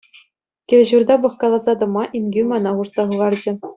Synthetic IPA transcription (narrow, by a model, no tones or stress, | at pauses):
kʲɘ̆lʲʑurd̪ɑbɤ̆χkɑlˠɑzɑd̪ɤ̆mɑʔinʲɡʲymɑnɑʁursɑχɯʁɑrd͡ʑɘ̆